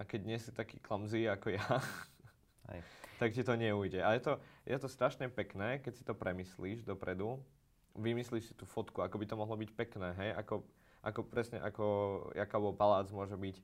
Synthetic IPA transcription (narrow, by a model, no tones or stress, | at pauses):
akɛɟɲɪɛsit̪akḭːklamziːakɔja | t̪akcit̪ɔɲɛujɟɛʔajɛt̪ɔjʔɛt̪ɔst̪ɾaʃɲɛpɛknɛːkɛcsi̥t̪ɔpɾʔɛmisliːʒd̪ɔpɾɛd̪u | ʋimisliːʃsi̥t̪uːfɔt̪kuakɔbit̪ɔmɔɦlɔbicpɛknɛːɦɛjʔakɔ | ʔa̰kɔpɾɛsɲɛ̰ʔakɔakaːbɔlpalaːd͡zmʊɔʒɛbic